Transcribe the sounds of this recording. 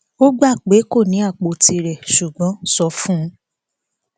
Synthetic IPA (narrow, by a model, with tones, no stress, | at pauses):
o˦ɡ͡ba˦˨k͡pe˨˦ko˦˨nĩ˨˦a˦˨k͡po˧ti˧ɾɛ˨ʃu˨ɡ͡bɔ̃˨˦sɔ˧fũ˦